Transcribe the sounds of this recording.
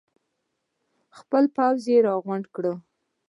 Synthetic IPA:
xpəlpawzjeɾɑɣʊɳɖkɽə

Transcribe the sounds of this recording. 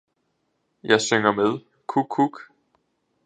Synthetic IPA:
jɑ̈ɪsøŋ̰ɐmeð̞ˠ | kʰukʰːuɡ̥

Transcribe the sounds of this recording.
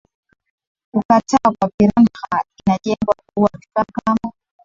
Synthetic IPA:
ukatʰakwapiɾanxainaɗɛŋbwak̚uwavikakamɔ

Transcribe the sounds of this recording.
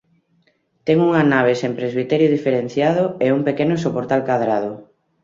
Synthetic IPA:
t̪ɛŋuŋanaβ̞esempɾezβ̞it̪ɛɾjʊðifeɾen̟θjaðʊeuŋpekenʊsopoɾt̪alkaðɾað̞ʊ

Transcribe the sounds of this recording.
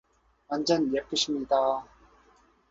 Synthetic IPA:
and͡ʑʌnjep̚k͈ɯɕʰimɲid̪a

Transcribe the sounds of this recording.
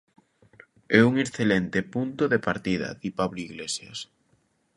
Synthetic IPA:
ɛuŋeθelɛnt̪epunt̪oðepaɾt̪iðɐ̰ðipaβloiɣlesjas

